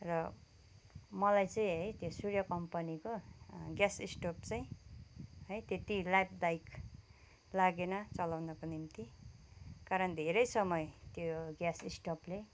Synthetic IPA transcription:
rʌ | mʌlajt͡saĩɦʌjt̪josurjʌkʌmpʌnikoɡjasisʈopt͡saĩ | ɦʌjt̪et̪ilajp̚d̪ajk | laɡenʌt͡sʌlawnʌkonimt̪i | kaɾʌnd̪ʱeɾʌjsʌmʌjt̪joɡjasisʈople

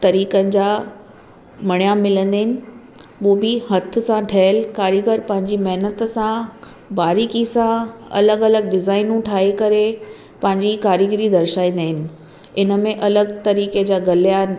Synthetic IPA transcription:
t̪ɐɾiːkənɪ̆d͡ʑaː | mɐɽ̃ijamɪlə̃nd̪aːɦɪnɪ̆ | oːbɪhɐt̪ʰʊ̆sãʈʰɐɦlkaːɾjəɡəɾpɐ̃ɦɪ̃ɲd͡ʑimɐɦnət̪sã | baːɾiːkisãɐ̰ləɡɐləɡɖɪzaːɪnũʈʰaːɦekɐɾe | pɐ̃ɦɪ̃ɲd͡ʑikaːɾəɡɾid̪ɐɾʃaːĩnd̪aːɦɪnɪ̆ | ɪnə̆mẽʔɐləɡt̪ɐɾiːked͡ʑaːɡɐlija

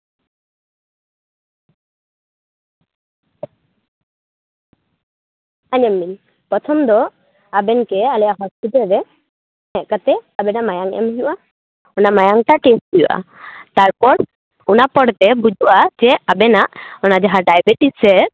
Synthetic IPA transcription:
aɲamːin | pɔtʰɔmd̪ɔ | abɛnkɛalɛjaɦɔspit̪ɔlɾɛ | ɛʔkat̪ɛabɛnamajaŋɛ̰mɦiuʔa | ɔnamajaŋʈaʈesʈd̪iṵʔa̰t̪aɾpɔɾ | unapɔɽt̪ɛbud͡ʒʱuwad͡ʒɛabɛnaʔɔnad͡ʒaɦãɖajbɛʈisɛɾ

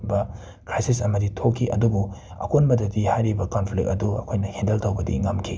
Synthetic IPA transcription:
bɐ | kɾajsisɐmɐditʰokʰːiʔɐ̰dubu | ɐ̰konbɐdɐtihajɾibɐkonpʰlik̚ɐduɐ̰kʰojnɐhendɐltɐwbɐdḭŋɐmkʰi

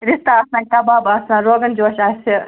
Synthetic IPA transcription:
ɾist̪aːsãkɐbaːbaːsãɾoːɡɐnd͡ʒoːʃaːsi

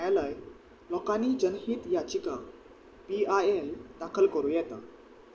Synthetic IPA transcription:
jaləj | lɔkanid͡ʑənɦiːt̪jat͡ɕika | piaeld̪akʰəlkəɾũjɛt̪a

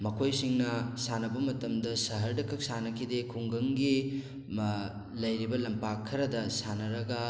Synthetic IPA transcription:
mɐkʰojsiŋnɐsanɐbɐmɐtɐmdɐsɐɦɐɾdɐkʰːɐk̚sanɐkʰidekʰuŋɡɐŋɡi | m | lɐjɾibɐlɐmpakʰːɐɾɐdɐsanɐɾɐɡɐ

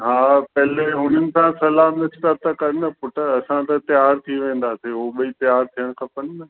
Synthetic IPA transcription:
ɦaːpɛɦleɦʊn̤ənɪ̆sãsɐlaːnɪst̪at̪ɐkɐɾnɐpʊʈəɐsãt̪ɐt̪ɐjaːɾt̪ʰiʋẽːn̆d̪aseɦoɓɐit̪ɐjaːɾt̪ʰijəɽ̃kʰãːpɐnnɐ

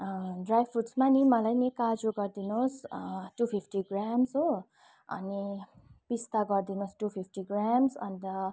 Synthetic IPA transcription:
ɖrajbpʰuʈsmanimʌlajnikad͡zuɡʌrd̪inosʈupʰipʰʈiɡramsɦo | ʌ̰ni | pist̪aɡʌrd̪inosʈupʰip̚ʰʈiɡramsʌ̰nd̪ʌ

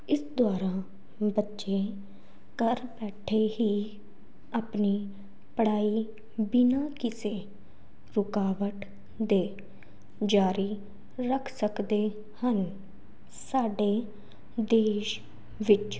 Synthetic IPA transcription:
ɪsd̪waːɾaː | bətːʃẽː | kəɾbɛːʈʰeːɦiː | əpniː | pəɽaːiː | bɪnaːkɪseː | ɾʊkaːʋəʈ | d̪eː | d͡ʒaːɾiː | ɾəkʰsəkd̪eː | hən | saːɖeː | d̪eːʃ | ʋɪt͡ʃ

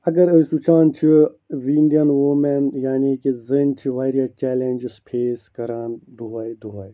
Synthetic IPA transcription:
ɐɡɐɾɨsut͡ʃʰaːnt͡ʃʰi | ʋiɳɖijɐnʋoːmenjaːnikizɨnt͡ʃʰiʋaːɾjaːt͡ʃɛːlend͡ʒispʰeːskɐɾaːnd̪uɦaːjd̪uɦaːj

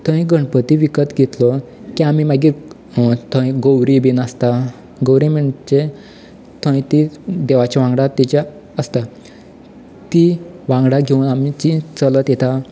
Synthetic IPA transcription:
t̪ʰə̃ĩɡəɳpət̪iʋikət̪ɡʱet̪lɔ | kiamimaɡiɾ | t̪ʰə̃ĩɡowɾibinəst̪a | ɡowɾiməɳt͡ɕe | t̪ʰə̃ĩt̪id̪eʋat͡ɕaʋãŋɡɽat̪it͡ɕa | əst̪a | t̪iʋãŋɡɽaɡʱeunamit͡ɕit͡sələt̪jet̪a

